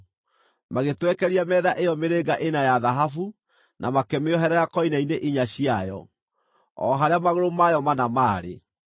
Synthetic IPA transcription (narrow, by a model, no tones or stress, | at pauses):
maɣetwɛkɛɾiamɛðaʔejɔmeɾeɣaʔenajaðaɦafu | nʔamakɛmeɔɦɛɾajakɔinaineʔiɲaɕiajɔ̰ | ɔ̰ɦaɾeamaɣoɾomajɔmanamaːɾḛ